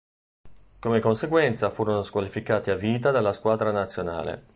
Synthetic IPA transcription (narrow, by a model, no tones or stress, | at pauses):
komekonseɡwɛnt̪safuːɾonoskwalifikaːt̪iavːiːt̪̬ad̪alːaskwaːd̪ɾanat̪sːjona̰ːlḛ